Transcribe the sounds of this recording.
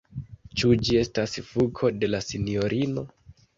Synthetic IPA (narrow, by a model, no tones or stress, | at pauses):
t͡ʃud͡ʒie̞stasfukʰo̞de̞lasinio̞ɾʔino̞